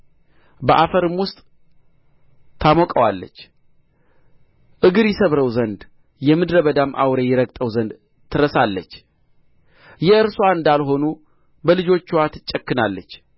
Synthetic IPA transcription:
bəʔafəɾɨmwʊst̪ʼ | t̪ʰamɔkʼəwa̰lːə̰t͡ʃː | ʔɨɡɨɾjɛsəβɾəwzənd̪ | jɛmɨd̪ɾəβəd̪amʔa̰wɾejɛɾəɡt̪ʼəwzənd̪ | t̪ʰɨɾəsalːət͡ʃː | jɛɨɾsoaɨnd̪alɦo̞nu | bəlɨd͡ʒo̞t͡ʃːwat̪ʰɨt͡ʃʼːəkːɨnalːət͡ʃː

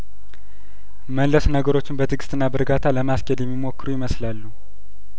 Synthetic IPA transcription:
mənlːəsnəɡəɾo̞t͡ʃːɪnbət̪ʰɨɡɨst̪ɨnːabəɾɡat̪ʰaləmaskʼed̪jɛmːimo̞kːɨɾujɪməslalːu

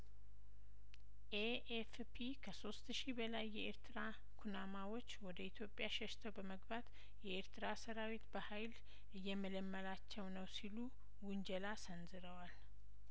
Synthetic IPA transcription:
ʔe | ef | pʰikʰəso̞st̪ʃibəlajːɛeɾt̪ʰɨɾa | kʰunamawo̞t͡ʃːwɔd̪əit̪ʰjo̞pʼjaʃɛʃt̪ʰəwbəməɡbat̪ | jɛeɾt̪ʰɨɾasəɾawit̪bəhajl | ʔɨjːɛmələmːəlat͡ʃːɛwnəwsilu | wʊnd͡ʒəlasənzɨɾəwal

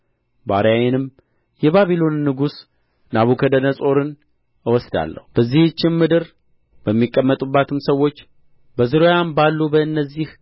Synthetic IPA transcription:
ba̰ɾjajɛnɨm | jɛβaβilo̞nːɨɡus | naβukʰəd̪ənəsʼo̞ɾɨn | ɨwɔsd̪a̰lːə̰hub̥əzːihɨt͡ʃːɪnmɨd̪ɨɾ | b̥əmːikʼːəmːət̪ʼubːat̪ʰɨmsəwːo̞t͡ʃː | bəzɨɾojanbalːubəɨnːəzːih

